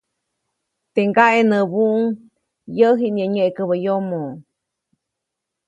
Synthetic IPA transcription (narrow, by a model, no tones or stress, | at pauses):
t̪eŋɡaʔenəβuʔŋ | jəɦiʔɲəɲəʔekəβəjomo